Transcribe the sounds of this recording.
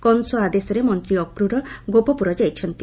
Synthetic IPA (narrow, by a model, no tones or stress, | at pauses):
kɔnsɔad̪esɔɾemɔnt̪ɾiɔkɾuɾɔɡopɔpuɾɔd͡ʒajt͡ʃʰɔnt̪i